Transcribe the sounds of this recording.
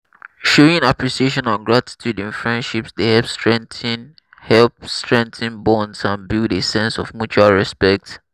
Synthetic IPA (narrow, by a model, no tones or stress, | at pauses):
ʃoĩnapɹiʃieʃɔ̃naɡɹati̥tʰjudĩnfɹɛ̃ndʃipsdehɛlpstɹɛ̃ntin | hɛlpstɹɛ̃ntʰĩnbɔ̃nzãnbildesɛ̃nsɔvmjut͡ʃualɹɛspɛk̚t